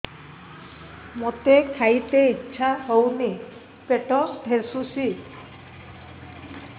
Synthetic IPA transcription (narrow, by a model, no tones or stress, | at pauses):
mot̪ekʰajt̪eiːʃʰahowni | peʈɔd̪ʱesusi